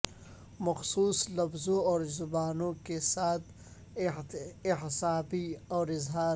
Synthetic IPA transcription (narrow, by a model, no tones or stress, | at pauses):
mɐxsuːslɐfzõɔːɾzʊbaːnõkesaːt̪̚ | ɪɦsaːbiɔːɾɪzɦaːɾ